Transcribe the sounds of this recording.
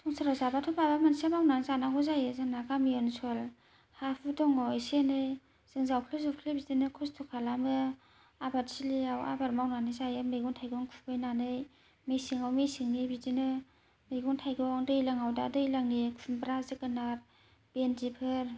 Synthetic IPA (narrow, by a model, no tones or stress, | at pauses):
sʰɔŋsaɾazabatʰɔbabamansamawnanzanaɡɔzajɯzaŋnakamijɔnsol | hapʰudɔŋɔesenɯj | z̥ɯŋzawkʰlɯzukʰlebidinɯkʰɔstʰɔkʰalamɯ | abatsiliawa̰baɾmawnanɯjzajɯmejɡuŋtʰajɡɔŋkʰubɯjnanɯj | mejsiŋawmejsiŋnibidinɯ | mejɡuŋtʰajɡɔŋdɯjlaŋawdadɯjlaŋnikʰunbɾazɯkɯnaɾ | b̥endipʰɯɾ